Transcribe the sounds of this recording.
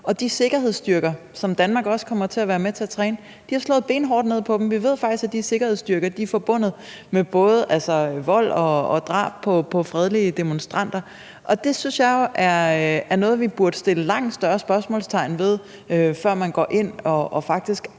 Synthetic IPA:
ɒ̽d̥ise̝ɡ̥ɐhe̝ð̞̰ˠsd̥yɐɡ̥ɐsɒ̽md̥ænmɑ̈ːɡ̥ɒ̽skʰɒ̽m̰ɐt͡sʰe̝æʋæːɐmet͡sʰe̝æɐt͡sʰʁɛːnə | d̥ihɑ̈slɔ̰̽ːð̩ˠb̥e̝̰ːnɦɒːd̥ne̝ð̰ˠpʰɒ̽d̥em̩ʋiʋe̝ð̞̰ˠfɑɡ̥d̥isɡ̥æd̥ise̝ɡ̥ɐhe̝ð̞̰ˠsd̥yɐɡ̥ɐd̥iæɐfɒ̽b̥ɔ̽n̰ð̞̩ˠ | meb̥ɔ̽ːð̞ˠəʔælsɒʋɒ̽l̰ɒ̽ːd̥ʁɑ̰̈ːb̥̚pʰɒ̽pʰɒ̽fʁɛð̞ˠliəd̥e̝monsd̥ʁɑn̰d̥ɐ | ʔɒ̽d̥e̝synsjɑ̈ɪo̝ʔæɐæɐnɔ̽ːð̩ˠʋib̥uɐd̥əsd̥e̝ləlɑ̈ŋ̰d̥sd̥ɶɐsb̥ɶɐsmɔ̰̽ːlst͡sʰɑ̈ɪnʋe̝ð̞ˠ | øfɶɐ̰mænɡ̥ɒ̰ːʔe̝n̰ɒ̽ɒfɑ̈ɡ̥̚d̥isɡ̥

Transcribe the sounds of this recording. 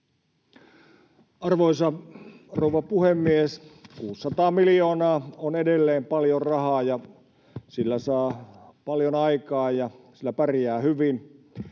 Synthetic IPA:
ɑrʋoisɑrouʋɑpuhemːieskuːsːɑt̪ɑːmiljoːnɑːonedelːeːmpɑljorrɑhɑːjɑ | silːæsɑːpɑljonɑikɑːjjɑsilːæpærjæːhyʋin

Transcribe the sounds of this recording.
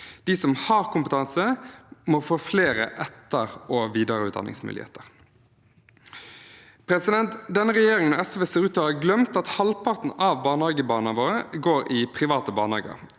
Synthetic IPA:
d̪̥isɔmhɑʁkʊmpət̪ʰɑnsəmɔːfoːfleːɾə̰ʔɛt̪ːəʁɔʋiːd̪əɾəʉːt̪d̪ɑ̰nɪ̰ŋsmʉ̰lɪ̰hḛːt̪əʁ | pɾɛsɪd̪ɛnt̪d̪ɛnːəʁɛjeːɾɪŋənoːɛsʋeːseːʁʉːt̪ohɑːɡlœmt̪ɑt̪hɑlpʰɑt̪n̩ɑʋbɑːnhɑːɡəbɑːnɑʋoːɾəɡoːɾɪpʰʁɪʋɑːt̪əbɑːʁnɑ̰ːɡə̰ɾ

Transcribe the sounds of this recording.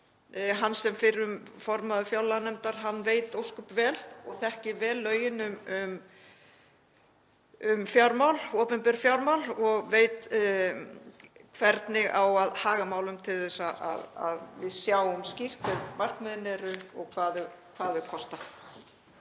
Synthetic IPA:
ɦansɛmfɪɾʏmfɔɾmaðʏfjawlːanɛmt̪aɾ̥ɦanːveːjt̪owskʏpvɛːlɔɣθɛhcɪɾvɛːlːœːɥjɪnʏmʏm | ʏmfjawɾmawlɔːpʏmpɛɾ̥fjawɾmawlɔɣveːjt̪ | kʰvɛɾt̪nɪɣawaðhaːɣamaːwlʏmt̪ʰɪlθɛsaʔa̰ða̰ðvɪðsjaːwʏmscir̥t̪ɛɾmar̥kmɪðnɛɾʏɔɣkʰvaːðʏkʰvaːðʏkʰɔst̪a

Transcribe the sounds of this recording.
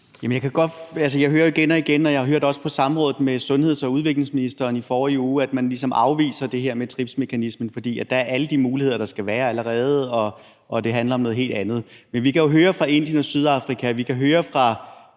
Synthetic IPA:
jæmənjɑkʰæɡ̥ɒ̽d̥æls̬əjɑ̈ɪɦøːɐjoiɡ̥enɒ̽iɡ̥enɒ̽jɑhɑɦøɐ̰d̥ɒ̽sə̥pʰɒ̽sɑ̈mʁɔ̽ːðð̩ˠmesɔ̽nhe̝ð̞̰ˠsɒ̽uð̞ˠʋe̝ɡ̥le̝ŋsminisd̥ɐːnifɒːiuːæd̥mænlis̬ɒ̽mʔɑ̈ʊʋḭːsɐd̥e̝ɦeɐ̰met͡sʰʁib̥sme̝kʰænismn̩fɒ̽d̥ḭːæd̥ɑ̈æɐʔæləd̥imuːlie̝ð̞̰ˠɐɾ̥ɑ̈sɡ̥æʋæːɐæləʁɛːð̞̩ˠɒ̽ | ʔɒ̽d̥e̝ɦænlɐɒmnɔ̽ð̩ˠɦe̝̰ːld̥ænð̞̩ˠmenʋikʰæjo̝ɦøːɐfʁɑ̈e̝n̰d̥jənɒ̽syðˠɑ̈fʁikʰæʋikʰæɦøːɐfʁɑ̈

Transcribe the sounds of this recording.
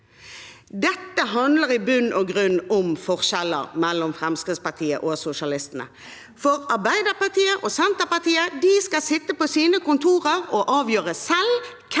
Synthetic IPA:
d̪ɛt̪ːəɦɑnd̪ləɾɪbʉnːʔɔɡʁʉnːɔmfɔʁʃɛlə̰ɾmɛlːɔmfʁɛmskʁɪt̪spɑʁt̪ʰiːə̰ʔosʊʂɑlɪst̪ənə̰ | fɔʁɑʁbæɪd̪əʁpɑt̪iːəʔosɛnt̪əʁpɑt̪iːəd̪ɪskɑsɪt̪ːəpɔsiːnəkʊnt̪ʰuːʁəʁɔʔɑːʋjøːʁəsɛl | kʰ

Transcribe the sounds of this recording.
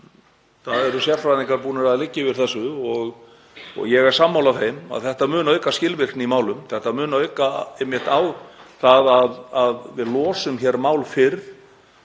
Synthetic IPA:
θaðɛɾʏsjɛɾfɾaðniŋkaɾpuːnɪɾaðlɪcːɪvɪɾ̥θɛsːʏɔɣ | ɔ̰ɣjɛɣɛɾ̥samːawlavθejma̰ðθɛht̪amʏːnaœɥkascɪlvɪr̥knimaːwlʏmθɛht̪amʏːnaœɥkaɪmjɛht̪awθaðaðaðvɪðlɔːsʏmçɛɾmaːwlfɪɾ

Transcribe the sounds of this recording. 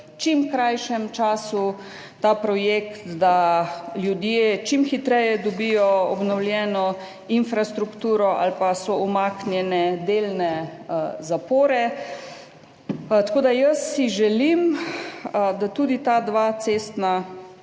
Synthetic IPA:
t͡ʃimkɾajʃɛmt͡ʃaːsu | t̪aːpɾɔjekt̪d̪aljud̪jet͡ʃimxit̪ɾɛjɛd̪ɔbijɔɔbnɔwlʲjɛːnɔ | infɾast̪ɾukt̪uːɾɔʔa̰lpasɔumaknjɛnɛd̪eːlnɛ | zapoːɾɛ | t̪akoːd̪ajəsːiʒɛlim | d̪at̪uːd̪it̪ad̪ʋat̪sest̪na

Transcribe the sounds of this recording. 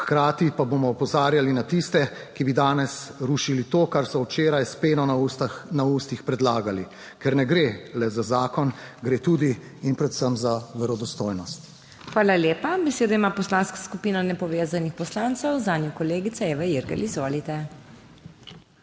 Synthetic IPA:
xkɾaːt̪ipaboːmɔɔpɔzaːɾjalinat̪ist̪ɛkibid̪aːnɛsɾuʃilit̪oːkaɾsɔwt͡ʃeːɾajspeːnɔnanauːst̪ixpɾɛd̪laːɡali | kɛɾnɛɡɾelɛzazaːkɔnɡɾeːt̪uːd̪iː | npɾɛd̪səmzaʋɛɾɔd̪ɔst̪oːjnɔst̪ | xʋaːlaleːpabɛseːd̪aimapɔslaːnskḁskupiːnɔnɛpɔʋeːzanixpɔslaːnt̪sɛwzaːnjikɔleːɡit̪saeːʋɛjiɾɡɛ̰lʔizʋoːlit̪ɛ

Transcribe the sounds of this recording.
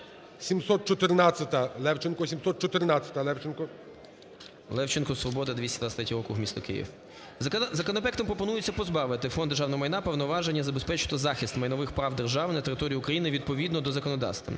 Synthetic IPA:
sʲimsɔt̪̚t͡ʃɔt̪ɪrnat͡sʲːɐt̪ɐlˠɛwt͡ʃɪnkɔsʲimsɔt̪̚t͡ʃɔt̪ɪrnat͡sʲːɐ̥t̪ɐlˠɛwt͡ʃɪnkɔ | lˠɛwt͡ʃɪnkɔsʋɔbɔd̪ɐd̪ʋʲisʲɐd̪ɐt̪ɾɛt̪ʲiɾɔkʊwmʲist̪ɔkɪ̰jḭw | zɐkɔnɔpɛkt̪ɐmpɾɔpɔnujʊt͡sʲːɐpɔzbɑʋɪt̪ɪfɔnd̪erʒɑwnɔɦɔmɐjnɑpewnɔʋɑʒenʲːɐzɐbespɛt͡ʃɪ̥t̪ɔzɑxʲist̪mɐjnɔʋɪxpɾɑwd̪erʒɑʋnɐt̪eɾɪt̪ɔɾʲijːukɾɐjinɪʋʲid̪̚pɔʋʲid̪nɔd̪ɔzɐkɔnɔd̪ɑ̰st̪ʋɐ̰n

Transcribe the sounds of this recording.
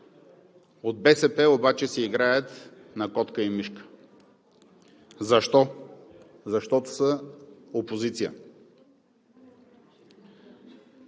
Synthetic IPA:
od̪̚bɛsɛpɛobat͡ʃɛsɛiɡɾajət̪ | nɐkɔt̪kəimiʃkə̥ | zɐʃt̪ɔ | zɐʃt̪ɔt̪o̥səopozit̪sijə̰

